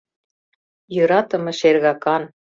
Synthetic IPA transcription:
jɤ̆ɾɑt̪ɤ̆mɤ̆ʃerɣɑkɑn

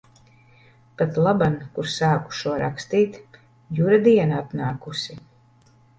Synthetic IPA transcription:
pat̪lˠabankuɾsaːku̥ʃuɔɾa̰kst̪iːt̪ | juɾad̪iɛnaap̪naːkusi

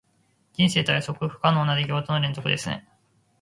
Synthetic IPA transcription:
ɡʲĩɰ̃se̞ːt̪oeso̞kɯ̟ɸɯ̟̥kanoːnad̪eɡʲiot̪onoɾẽ̞nzo̞kɯ̟d̪e̞sɨnḛ

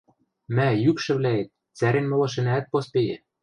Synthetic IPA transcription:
mæjykʃɘ̆βlæet̪̚ | t͡sæɾĕnmɤ̆lɤ̆ʃ̬ĕnæːt̪̚pospejĕ

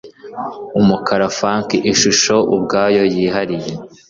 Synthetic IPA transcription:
umukaɾafaːŋkiʔiʃuʃo̞ʔubɡaːjo̞jiːɦaɾije

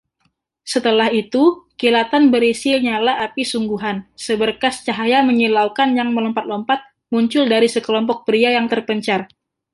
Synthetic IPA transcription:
sət̪əlahit̪ukilat̪anbəɾisilɲalahapisuŋɡuɦansəbərkast͡ʃaɦajaməŋilaukanjaŋməlɔmpat̪̚lɔmpat̪̚ | muɲt͡ʃʊldaɾisəkəlɔmpɔk̚pəɾiajaŋt̪ərpəɲt͡ʃar

